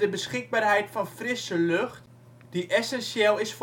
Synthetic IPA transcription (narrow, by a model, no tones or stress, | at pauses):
dəbəsχɪɡ̚baːrɦɛjtfɑnfrɪsəlɵχt | d̥iʔɛsɛnsjɛːlˠɪsf